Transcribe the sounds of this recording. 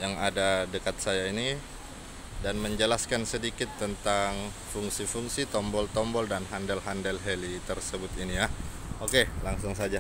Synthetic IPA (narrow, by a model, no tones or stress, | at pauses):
jaŋadadəkat̪̚sajaini | danməɲd͡ʒəlaskansədikɪt̪ːənt̪aŋ | fuŋsifuŋsit̪ɔmbɔlt̪ɔmbɔldanɦandəlɦandəlɦelit̪ərsəbʊt̪inijaokelaŋsʊŋs̬ad͡ʒa